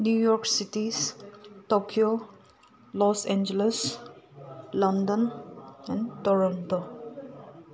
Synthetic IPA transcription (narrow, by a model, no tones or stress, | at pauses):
njuːjɔɾksiʈizʈokʰio | lɔsẽnd͡ʒeles | lʌ̃nɖə̃nɛ̃ɳɖtɔɾɔ̃nto